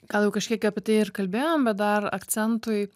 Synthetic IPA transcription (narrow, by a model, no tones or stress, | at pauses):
ɡ̥ɐlˠjɛʊkɐʃʲkʲiɛkʲɐpʲiɛt̪ɐɪɪrkɐlʲbʲeːjoːmbʲɛt̪̚d̪ɐrɐ̰ktt͡s̪ʲɛnt̪ʊj